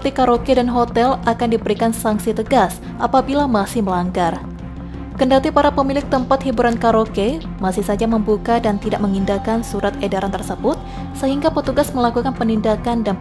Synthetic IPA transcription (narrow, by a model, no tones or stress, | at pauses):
t̪ikaɾokedanɦot̪ɛlakandibəɾikansaŋsit̪əɡas | ʔapabilamasɪhməlaŋɡar | kəndat̪ipaɾapəmilɪk̚t̪əmpat̪hibuɾankaɾoke | masɪhsad͡ʒaməmbukadant̪idaʔ̚məŋindakansuɾat̪edaɾant̪ərsəbʊt̪̚ | səɦiŋɡapət̪uɡasməlakukanpənindakandan